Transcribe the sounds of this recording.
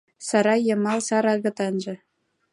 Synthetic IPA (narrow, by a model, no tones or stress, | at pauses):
sɑɾɑjɤ̆mɑlˠsɑɾɑɣɤ̆t̪ɑnʒɤ̆